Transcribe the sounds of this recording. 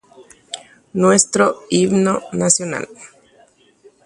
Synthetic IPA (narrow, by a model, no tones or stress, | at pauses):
nwest̪ɾoiβnonasjona̰l